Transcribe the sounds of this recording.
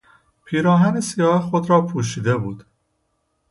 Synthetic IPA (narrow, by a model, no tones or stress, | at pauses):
pʰiːɾɒːɦænesijɒːhexod̪ɾɒːpʰuːʃ̬iːd̪e̞buːd̪̥